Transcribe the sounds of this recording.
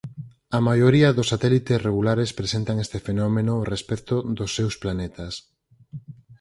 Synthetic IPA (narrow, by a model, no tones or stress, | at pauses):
ɐmajoɾiɐðʊsːat̪ɛlit̪esreɣulaɾespɾesent̪aŋest̪efenɔmenoːrespɛkt̪oðosːewsplanet̪ɐs